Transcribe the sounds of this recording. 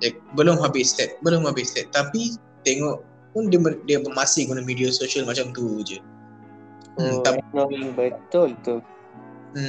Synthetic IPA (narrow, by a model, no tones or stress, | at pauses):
ɛk̚bəlʊmɦabɪʔslɛt̪̚bəlʊmhabɪslɛt̪̚t̪ːapi | t̪eŋɔʔ | pʊndəmədiabəmasɪhɡunamidiasoʃiəlmat͡ʃamt̪ud͡ʒə | t̪aoiŋbət̪ʊlt̪u | m̩